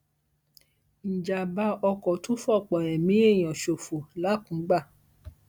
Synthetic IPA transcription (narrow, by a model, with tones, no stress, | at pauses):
n̩˨d͡ʒa˨ba˧˦ɔ˧kɔ˨to˦fɔ˦˨k͡pɔ˨j̃ɛ̃˨mĩ˨˦e˦˨j̃ã˨ʃo˨fo˨la˨˦kũ˨˦ɡ͡ba˦˨